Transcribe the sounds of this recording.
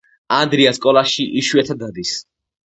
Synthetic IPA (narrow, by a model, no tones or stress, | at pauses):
and̪ɾiaskʼɔlˠaʃiʔiʃuɛt̪ʰad̪ad̪is